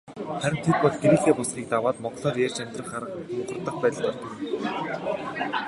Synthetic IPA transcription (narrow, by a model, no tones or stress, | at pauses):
χæɾʲɪ̆nt̪ʰet̪̚pɔɮɡeɾiːxeːpʊsχiːk̚t̪awaːt̪mɔʁɮɔːrjerʲt͡ɕæmʲt̪rə̆χaɾə̆χʊːɢə̆rt̪ə̆χpæːt̪ə̆ɮt̪art̪ə̆